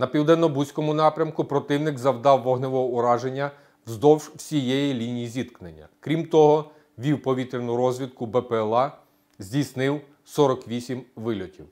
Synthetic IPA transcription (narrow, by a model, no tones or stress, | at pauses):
nɐpʲiwd̪ɛnːɔbusʲkɔmʊnɑpɾʲɐmkʊpɾɔt̪ɪwnɪɡzɐwd̪ɑwːɔɦnɪʋɔɦɔʊɾɑʒenʲːɐ | wzd̪ɔwʒwsʲijɛjilʲinʲijizʲit̪knenʲːɐ̰kɾʲimt̪ɔɦɔ | ʋʲiwpɔʋʲit̪ɾʲenʊɾɔzʲʋʲid̪̚kʊbɛpɛːlˠɑ | zʲdʲisnɪw | sɔɾɔkʋʲisʲimʋɪlʲɔtʲiw